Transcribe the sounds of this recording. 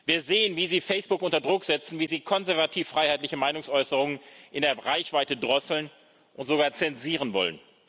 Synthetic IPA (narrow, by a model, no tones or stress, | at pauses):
viːɐzeːənviːziːfɛɪsb̥ʊkʔʊntɐdʁʊkz̥ɛt͡sn̩viːziːkʰɔnzɛɐvatʰiːfːʁ̥aɪhaɪtlɪçəmaɪnʊŋsʔɔʏsəʁʊŋənʔɪndeːɐʁaɪçv̥aɪtədʁɔsl̩n | ʔʊntz̥oɡaːɐt͡sɛnziːʁ̞ənvɔ̰lə̰n